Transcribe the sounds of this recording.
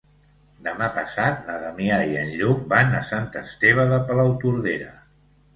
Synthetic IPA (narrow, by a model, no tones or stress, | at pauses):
d̪əmapəsat̪naðamiaiənɾuk̚banəsant̪əst̪eβ̞əðəpəlawt̪uɾðeɾə̰